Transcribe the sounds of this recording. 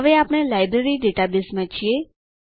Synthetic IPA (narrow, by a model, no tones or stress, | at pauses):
ʋeapɽ̃elajbɾeɾiɖeʈabɪsmãt͡ʃʰie